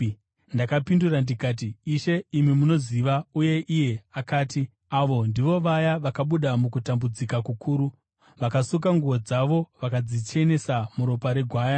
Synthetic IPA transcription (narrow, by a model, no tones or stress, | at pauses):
ndakapindurandikaːt̬iːʃe̞imimuno̞ziʋauje̞ʔije̞akaːti | aʋo̞ndiʋo̞ʋajaʋakaɓuɗamukutambud͡zikakukʰuːɾu | ʋakasukaŋɡuʋo̞d͡zaʋo̞ʋakad͡zit͡ʃe̞ne̞samuɾo̞paɾe̞ɡʱwaːja